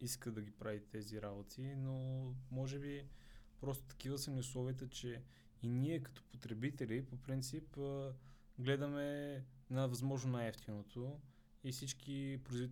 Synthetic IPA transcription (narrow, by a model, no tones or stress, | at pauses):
iskəd̪ɐɡʲipɾavit̪ɛziɾabot̪ʰinomɔʒɛbipɾɔst̪o̥t̪ɐ̥k̟ivəsəmnʲiʊslˠɔviət̪ət͡ʃɛ | iniɛkɐ̥t̪ɔ̥pot̪ɾɛbit̪ɛlipopɾint̪sip | ɡlɛd̪ɐmɛ | nɐvɐzmɔʒnonajɛft̪inot̪ʰo | ifsit͡ʃkipɾʊizvit̪